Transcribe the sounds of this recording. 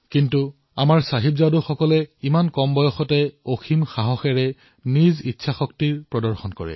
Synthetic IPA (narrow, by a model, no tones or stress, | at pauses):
kintu | amaɹsaɦibzaduxɔkɔlɛimankɔmbɔjɔxɔtɛoximxaɦɔxɛɹɛ | nizitːsʰaxɔktiɹpɹɔdɔɹxɔnkɔɹɛ̰